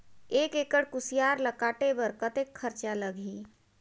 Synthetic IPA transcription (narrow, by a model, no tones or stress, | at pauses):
eːkekəɽkusijaɾləkaːʈebəɾkət̪ekʰːəɾt͡ʃaləɡʱi